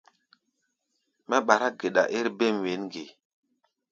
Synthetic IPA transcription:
mɛ˦ɓa˨ɾa˦ɡe˨ɗa̰˨ʔe˦ɾbe˦˨mwe˨˦nɡe˨

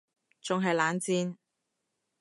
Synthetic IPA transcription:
t͡sʊ˨ŋɦɐ˨jlaː˨˥nt͡siː˧n

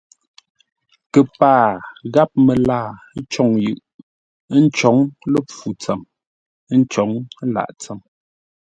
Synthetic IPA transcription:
kə˨paː˦˨ɣa˦p̚mə˨laː˦˨˦ | t͡ʃɔ˦˨ŋjʉ̰˨ʔ | n̩˦t͡ʃɔ˨˦ŋlə˦p͡fu˨t͡sə˨m˦ | n̩˦t͡ʃɔ˨˦ŋ˦la̰˦˨ʔt͡sə˨˦˨m

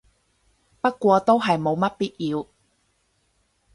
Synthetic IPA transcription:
pɐ˥tkːʷɔː˧t̪o˥wɦɐ˨jmo˨˧wmɐ˥t̚piː˥t̚jiː˨˧w

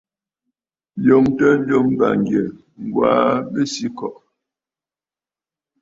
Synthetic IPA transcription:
ljo˨mtə˦ljo˦mba̰˨ŋɡje˨ | ŋ̩˨ɡwaː˦bə˦si˦kɔ˨ʔ

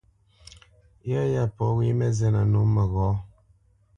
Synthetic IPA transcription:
jɔ˦ja˦˨pɔ˨˦wi˦mɛ˦zɛ˦na˨nu˨˦mə˨ɣɔ˨˦

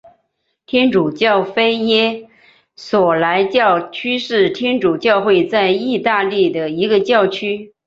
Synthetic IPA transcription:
t̪ʰjɛ˥nʈ͡ʂu˨˩t͡ɕjɑ˥˩ʊfe˥ɪjɛ˥ | swɔ˨˩la˧˥ɪt͡ɕjɑ˥˩ʊt͡ɕʰy˥ʂɻ̩˥˩t̪ʰjɛ˥ŋʈ͡ʂu˨˩t͡ɕjɑ˥˧ʊxwe˥˧ɪt͡sa˥˧ɪi˥˧t̪a˥˧li˥˩d̪ə˩i˧˥ɡə˧t͡ɕjɑ˥˩ʊt͡ɕʰy˥

